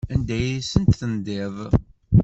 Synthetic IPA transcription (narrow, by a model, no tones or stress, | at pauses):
ænd̪æjisənt̪θənd̪ɪðˤ